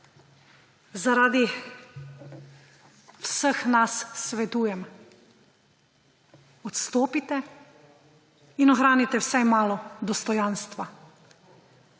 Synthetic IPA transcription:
zaɾaːd̪i | wsəxnasːʋɛt̪uːjɛm | ɔt̪st̪oːpit̪ɛ | inɔxɾaːnit̪ɛwsajmaːlɔd̪ɔst̪ɔjaːnst̪ʋa

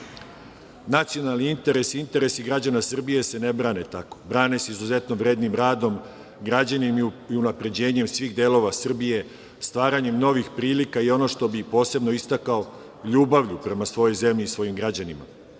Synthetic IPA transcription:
nat̪sijo̞nalˠniint̪e̞ɾe̞sint̪e̞ɾe̞siɡɾad͡ʑanasr̩bije̞se̞ne̞bɾaːne̞t̪ako̞̥bɾaːne̞seizuze̞t̪no̞ʋɾe̞ːd̪nimɾaːd̪o̞m | ɡɾad͡ʑanimiiunapɾe̞d͡ʑe̞ːɲe̞msʋiːɣd̪e̞ːlo̞ʋasr̩bije̞ | st̪ʋaːɾaɲe̞mno̞ʋixpɾiːlikaio̞no̞ʃt̪o̞bipo̞ːse̞bno̞ist̪akao̞ | ʎuːbaʋʎupɾe̞masʋo̞jo̞jze̞mʎiːsʋo̞jimɡɾad͡ʑanima̰

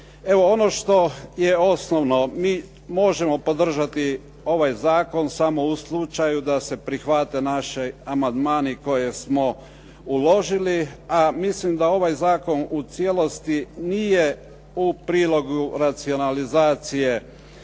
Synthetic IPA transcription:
e̞ʋo̞ono̞ʃt̪o̞jeo̞snoʋno̞miː | mo̞ʒe̞mo̞po̞d̪r̩ʒat̪i | o̞ʋajzaːko̞nsamo̞uslˠut͡ʃajud̪ase̞pɾixʋat̪e̞naʃeamand̪maːniko̞je̞smo̞ | ulo̞ʒiliamislimd̪ao̞ʋajzaːko̞nut̪sjelo̞st̪inije | upɾiːlˠo̞ɡuɾat̪sio̞nalizaːt̪sije̞

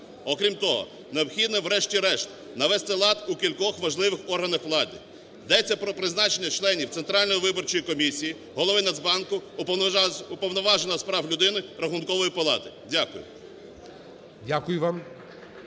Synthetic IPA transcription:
ɔkɾʲimt̪ɔɦɔ̰ | neɔpxʲid̪nɛwɾɛʃtʲiɾɛʃt̪ | nɐʋɛst̪ɪlˠɑt̪ukʲilʲkɔxʋɐʒlˠɪʋɪxɔrɦɐnɐxʋlˠɑd̪ɪ̰ | jd̪ɛt͡sʲːɐpɾɔpɾɪznɑt͡ʃenʲːɐt͡ʃlˠɛnʲiw̪sent̪ɾɑlʲnɔjiʋɪbɔrt͡ʃɔjikɔmʲisʲiji | ɦɔlˠɔʋɪnɐzbɑnkʊpɔupɔwnɔʋɑʒenɐspɾɑwlʲʊd̪ɪnɪɾɐxʊnkɔʋɔjipɔlˠɑt̪ɪ | dʲakʊjʊ̰ | dʲakʊjʊʋɑm

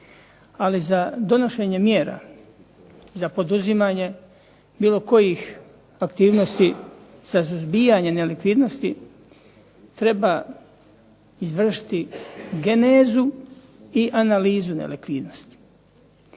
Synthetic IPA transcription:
alizad̪o̞no̞ʃe̞ːɲe̞mjeːɾa̰ | zapo̞d̪uzimaːɲe̞ | biːlo̞ko̞jix | akt̪iːʋnost̪iz̥asuzbijaɲe̞ne̞likʋid̪no̞st̪i | t̪ɾe̞ba | izʋr̩ʃi̥t̪iɡe̞neːzu | iʔanaliːzunḛlikʋiːd̪no̞st̪i̥

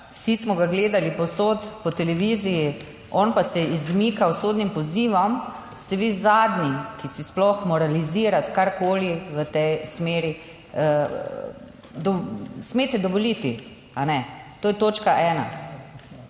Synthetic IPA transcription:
wsismɔɡaɡleːd̪alipɔsoːt̪pɔt̪ɛlɛʋiːziji | ɔnpasɛizmikawsoːd̪nimpɔziːʋɔm | st̪ɛʋiːzaːd̪nikisisplɔxmɔɾaliziːɾat̪kaɾkoːliʋət̪ɛjsmeːɾi | d̪ɔsmet̪ɛd̪ɔʋɔlit̪i | anɛt̪oːjɛt̪oːt͡ʃkaʔɛːna̰

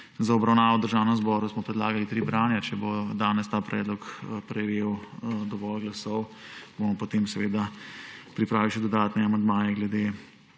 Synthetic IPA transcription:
zaɔbɾawnaːʋɔwd̪əɾʒaːwnɛmzbɔɾusmɔpɾɛd̪laːɡalit̪ɾiːbɾaːnjat͡ʃɛbod̪aːnɛst̪aːpɾɛ̰ːd̪lɔkpɾɛʋeːwd̪ɔʋɔlɡlasɔwbomɔpot̪eːmsɛʋeːd̪apɾipɾaːʋiwʃɛd̪ɔd̪aːt̪nɛamand̪maːjɛɡlɛd̪e

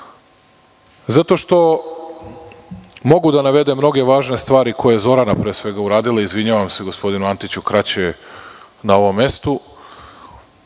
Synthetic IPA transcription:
zat̪o̞ʃt̪o̞ | mo̞ɡud̪anaʋe̞d̪emno̞ɡe̞ʋaːʒne̞st̪ʋaːɾikʰo̞jeezo̞ɾanapɾesʋe̞ɡauɾaːd̪ilaizʋiɲaʋamse̞ɡo̞spo̞d̪inuant̪it͡ɕukɾat͡ɕe | nao̞ʋo̞mːe̞st̪u

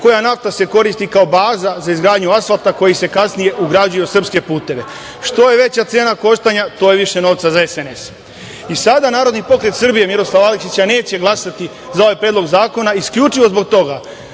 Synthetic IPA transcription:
ko̞janaft̪ase̞ko̞ɾist̪ikao̞baːzazaizɡɾaːd̪ɲuasfalˠt̪ako̞jise̞kasnije̞ʔuɡɾad͡ʑujosr̩pske̞puːt̪e̞ʋe̞ | ʃt̪o̞je̞ʋe̞t͡ɕat̪seːnako̞ʃt̪aɲat̪o̞jeʋiʃe̞no̞ːʋt̪sazaesene̞s | isad̪anaːɾod̪nipo̞kɾe̞t̪sr̩bije̞miɾo̞slˠaʋalikʃit͡ɕane̞ːt͡ɕe̞ɡlˠasat̪i | zao̞ʋajpɾed̪lˠo̞ɡzaːko̞naiskʎʲut͡ʃiʋo̞zbo̞k̚t̪o̞ɡa

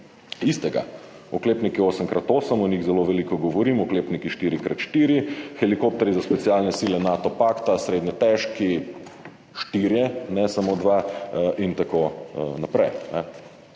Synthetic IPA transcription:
ist̪ɛɡa̰ | ɔkleːpnikioːsəmkɾʔat̪oːsəmɔnʲiɣzɛloʋɛlikɔɡɔʋɔɾiːmɔkleːpnikiʃt̪iːɾikɾat̪ʃt̪iɾixɛlikop̚t̪ɛɾizaspɛt̪sialnɛsilɛnat̪ɔpakt̪asɾeːd̪nɲɛt̪ɛʃki | ʃt̪iɾjɛnɛsamod̪ʋaʔint̪akonapɾɛjnɛ

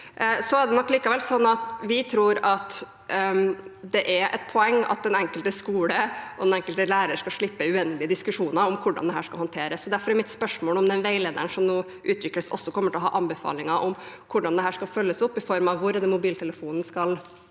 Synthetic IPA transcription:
sɔæɖɛnɔkːliːkəʋɛlsɔnːɑt̪ʋɪt̪ʰɾuːɾɑt̪ | d̪ɛʔæʔɛ̰t̪̚pʰɔɛŋːɑ̰t̪̚d̪ɛnɛŋkəlt̪əskuːləʔɔd̪ɛnɛŋkəlt̪əlæːɾəʂkɑlʂɭɪpːəʉɛnːlɪəd̪ɪskʉʂuːnɑɾɔmkʰʊɖɑ̰nd̪ɛɦæːʂkɑlhɑnt̪ʰeːɾəsɔd̪æɾfɔɾɛɾmɪt̪spœʂmoːlɔmd̪ɛnʋeɪleːd̪əɳʂɔmnuː | ʔʉːt̪ʰʋɪkɾəsɔ̰sːɔkʰɔmːəʈɪlɔɦɑ̰ːʔɑmbɛfɑ̰ːlɪŋɑʔɔmkʰʊɖɑnd̪ɛɦæːʂkɑlfœlːəsʊpːɪfɔɾmɑʋʋʊɾd̪əmʊbiːlt̪ʰɛləfuːnn̩skɑl

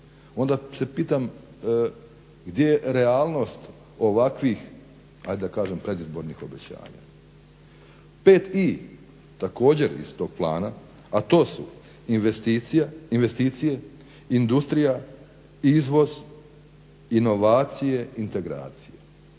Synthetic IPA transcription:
o̞nd̪ase̞piːt̪am | ɡd̪jejeɾe̞aːlˠno̞st̪ | o̞ʋakʋix | ha̰jd̪ed̪akaːʒempɾe̞d̪izbo̞ɾnixo̞bet͡ɕa̰ːɲa̰ | pe̞ːt̪i | t̪ako̞ːd͡ʑe̞ɾḭst̪o̞ːɡ̥̚plˠa̰ːna | at̪o̞ːsṵ | inʋest̪iːt̪sijeinʋe̞st̪iːt̪sije̞ | ind̪ust̪ɾija | izʋo̞z | ino̞ʋaːt̪sije̞int̪e̞ɡɾa̰ːt̪sije

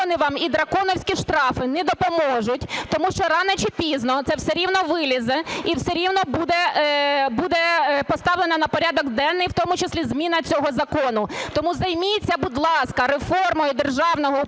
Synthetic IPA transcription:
nɪʋɑmid̪ɾɐkɔnɔwsʲkʲiʃt̪ɾɑfɪnɛd̪ɔpɔmɔʒʊtʲt̪ɔmuʃt͡ʃɔɾɑnɛt͡ʃipʲiznɔt̪sɛwseɾʲiwnɔʋɪlʲizɛiwseɾʲiwnɔbud̪ɛ | bud̪ɛpɔst̪ɑwlˠenɐnɐpɔɾʲɑd̪ɔɡd̪ɛnːɪjwt̪ɔmʊt͡ʃɪslʲizmʲinɐt͡sʲɔɦɔzɐkɔnʊt̪ɔmuzɐjmʲit͡sʲːɐbud̪lˠɑskɐɾefɔrmɔjʊd̪erʒɑwnɔɦɔ

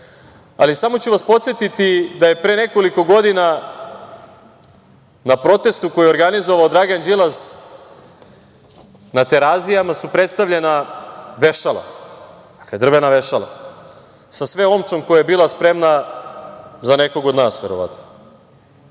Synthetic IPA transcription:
alisamo̞t͡ɕuʋaspo̞t̪sje̞t̪it̪id̪aje̞pɾeːne̞ko̞liko̞ɡo̞d̪ina | napɾo̞t̪e̞st̪ukojioɾɡanizo̞ʋaod̪ɾaɡand͡ʑilˠaz | nat̪e̞ɾazijamasupɾe̞t̪st̪aʋʎʲe̞naʋe̞ʃalˠa̰d̪̥ḁkled̪r̩ʋenaʋe̞ʃala̰ | sasʋeomt͡ʃo̞mkojajebiːlˠaspɾe̞mna | zane̞ko̞ɡod̪naːsʋeɾo̞ʋa̰t̪no

